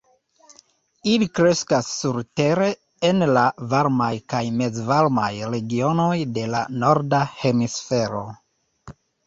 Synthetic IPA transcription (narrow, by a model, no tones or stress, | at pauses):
ilikɾe̞skasːuɾte̞ɾe̞ː | nlavaɾmajkajme̞zvaɾmajɾe̞ɡio̞no̞jde̞la̰no̞ɾdahe̞misfe̞ɾo̞̰